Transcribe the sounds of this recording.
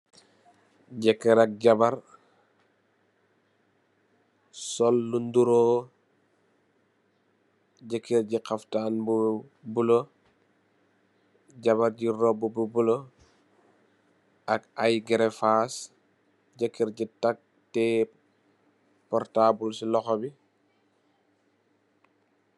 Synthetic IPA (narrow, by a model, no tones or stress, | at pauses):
ɟɛkːiɾak̚ɟabɐɾ | sɔlːunduɾoː | ɟəkʰːiɾɟiqaftaːnbu | bulo | ɟaβaɾɟiɾɔbububulo | ɐkajɡɛɾɛfas | ɟəkːiɾɟitak̚ | tɛ | pɔɾtaːbulsilɔxɔbi